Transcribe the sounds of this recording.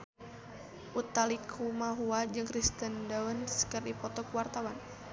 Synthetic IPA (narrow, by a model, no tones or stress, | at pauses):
ʔut̪alikʰumaɦuad͡ʒɨŋkɾist̪əndaunskərdipɔt̪ɔkuwart̪awan